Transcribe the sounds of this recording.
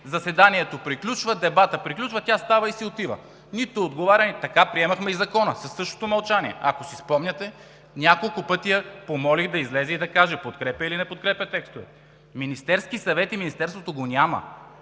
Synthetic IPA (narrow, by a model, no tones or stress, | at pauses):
zɐsɛd̪aniɛt̪opɾiklʲut͡ʃvəd̪ɛbat̪əpɾiklʲut͡ʃvɐt̪ʲast̪avɐisiot̪ivɐ̰ | nit̪ood̪ɡovaɾʲɐnit̪ɐkapɾiɛmɐxmɛizɐkɔnə̰sɐsːɤʃt̪o̥t̪omɐlˠt͡ʃaniɛ̰ɐkosispɔmnʲɐt̪ɛ | nʲakolˠkʊpɤt̪ijəpomɔlixd̪ɐizlɛzɛid̪ɐkaʒɛpot̪kɾɛpʲjɐilinɛpot̪̚kɾɛpʲɐt̪ɛkst̪ovɛ̰ | minist̪ɛɾskisɐvɛt̪iminist̪ɛɾst̪vot̪oɡonʲamɐ̰